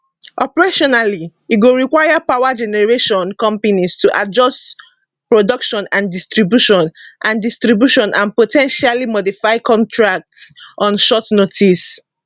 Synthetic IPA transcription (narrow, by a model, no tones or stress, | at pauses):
ʔɔpɛɹeʃɔnaliɡoɹikwaɪjapaʊwad͡ʒɛnɛɹeʃɔ̃nkɔ̃mpanistuʔad͡ʒɔst | pɹodʌkʃɔ̃nãndistɹibjuʃɔ̃nʔãndistɹibjuʃɔ̃nʔãnpotʰɛ̃nʃalimɔdifaɪkʰɔ̃ntʰɹak̚tsʔɔ̃nʃɔtnotʰis